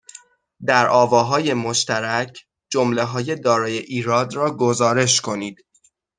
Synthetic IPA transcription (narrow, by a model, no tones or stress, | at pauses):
d̪æɾʔɒːvɒːɦɒːje̞moʃt̪æɾæcʰ | d͡ʒomle̞ɦɒːje̞d̪ɒːɾɒːje̞ʔiːɾɒːd̪ɾɒːɡozɒːɾe̞ʃkʰo̞niːd̪̥